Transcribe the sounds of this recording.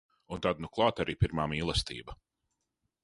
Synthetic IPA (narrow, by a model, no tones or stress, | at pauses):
unt̪ad̪nuklˠɑːt̪aɾiːpiɾmaːmiːlˠɛst̪ḭːbɐ